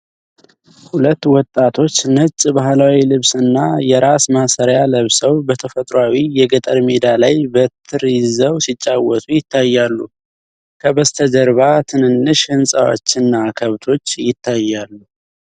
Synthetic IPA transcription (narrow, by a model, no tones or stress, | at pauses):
hulət̪ːwɔt̪ʼːat̪ʰo̞t͡ʃːnət͡ʃʼːbahlawilɨβsɨnːajɛɾasmasəɾjaləβsəwbət̪ʰəfət̪ʼɾawijɛɡət̪ʼəɾmed̪alajbət̪ʰːɨɾjɪzəwsit͡ʃʼːawɔt̪ʼujɪt̪ʰːajːalːu | kʰəbəst̪ʰəd͡ʒəɾβat̪ʰɨnɨnːɨʃhɨnsʼa̰wo̰t͡ʃːɨnːakʰəβt̪ʰo̞t͡ʃːjɪt̪ʰːajːalːu